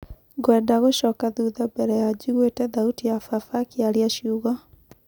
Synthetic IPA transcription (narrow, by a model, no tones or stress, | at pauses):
ɡwɛːndaɣoɕɔːkaðuðabɛɾɛjad͡ʑuɣwetɛðautijafafakiaɾiaʃjuɣa